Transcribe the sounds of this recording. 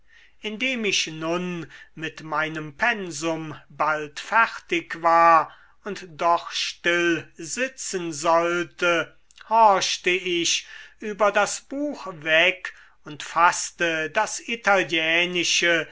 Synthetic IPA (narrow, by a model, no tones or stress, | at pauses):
ʔɪndeːmɪʃnʊnmɪtmaɪnəmpʰɛnzʊmbaltfɛʁtɪkvaːɐ | ʊntd̥ɔχʃtɪlzɪt͡sənzɔltə | hɔɐʃtəɪʃʔyːbɐdasb̥uːxvɛk | ʊntfastədasitaljɛːnɪʃə